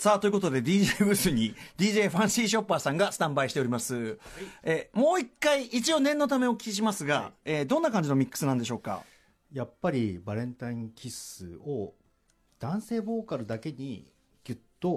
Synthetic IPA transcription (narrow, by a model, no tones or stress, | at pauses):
saːt̪o̞jɯ̟ko̞t̪o̞d̪e̞d̪ʲiːʑeːbɯ̟sɨɲ̟id̪ʲiːʑe̞ːɸãɰ̃siːɕ̬o̞pːaːsãŋɡasɨ̥t̪ãmbaiɕi̥t̪e̞o̞ɾʲimasɨ | emo̞ːikːaiʔit͡ɕio̞nẽ̞nːo̞t̪̬ame̞o̞kʲi̥iɕ̬imasɨɡaeːd̪õ̞nːakãɲ̟d͡ʑino̞mʲikːɯ̥sɨnãnd̪e̞ɕo̞ːka̰ | japːaɾʲibaɾẽ̞nt̪aĩŋkʲʰisɨ̰o | d̪̥ãɰ̃se̞ːbo̞ːkaɾɯ̟d̪ake̞ɲ̟ḭ | ɡʲɯt̪ːo̞